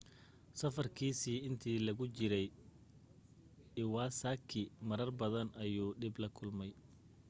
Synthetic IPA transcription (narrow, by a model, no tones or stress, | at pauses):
sɐfɐrkʰiːsiːɪnt̪ʰiːlɐɣʊt͡ʃɪɾɛj | ɪwɑːsaːkʰɪmɐɾɐrbɐðɐnɐjuːɖɪblɐkʰʊlmɛj